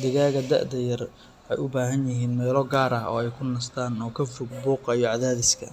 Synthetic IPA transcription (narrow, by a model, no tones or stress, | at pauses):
d̪ɪɣaːɣɐd̪ɐ̰ʕd̪ɐjɐr | ʔħɛjʊbaːɦɐnjɪɦiːnmɛːlɔɡaːɾɐhɔ̰ːɛjkʰʊnɐst̪ʰaːnɔːkʰɐfʊɡ̚buːqɑijɔʕɑðaːðɪskʰɐ̰